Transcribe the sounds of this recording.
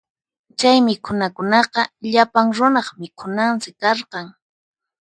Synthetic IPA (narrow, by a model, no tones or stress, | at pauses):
t͡ʃajmɪkʰʊnakʊnɑqɑʎapaŋɾʊnɑχmɪkʰʊnansɪkɑɾqɑŋ